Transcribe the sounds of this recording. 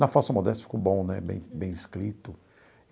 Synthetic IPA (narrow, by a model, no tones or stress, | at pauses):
nɐfasɐmod̪ɛst̪ɐfi̥kobõw̃nɛbḛ̃j̃bẽj̃ɪskɾit̪ʊ